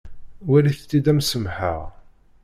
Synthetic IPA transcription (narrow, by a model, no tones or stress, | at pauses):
wæliθt̪ːid̪æmsəmħə̰ʁ